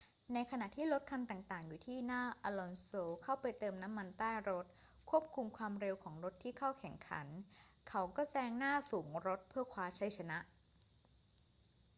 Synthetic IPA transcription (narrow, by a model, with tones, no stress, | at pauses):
na˧jkʰa˧na˨˩ʔt̪ʰiː˥˩lo˦˥t̪̚kʰa˧nt̪aː˨˩ŋt̪aː˨˩ŋjuː˨˩t̪ʰiː˥˩naː˥˩ʔa˧lɔ˧nsoː˧kʰa˥˩wpa˧jt̪ɤː˧mna˦˥mːa˧nt̪aː˥˩jɾo˦˥t̪̚ | kʰu˥˩əp̚kʰu˧mkʰwaː˧mɾe˧wkʰɔː˩˦ŋɾo˦˥t̪ʰːiː˥˩kʰa˥˩wkʰɛ˨˩ŋkʰa̰˩˦nkʰa˦˥wkɔː˥˩sɛː˦˥˩ŋnaː˥˩suː˩˦ŋɾo˦˥t̪̚pʰɯː˥˩ɐkʰwaː˦˥t͡ɕʰa˦˥jt͡ɕʰa˧na˦˥ʔ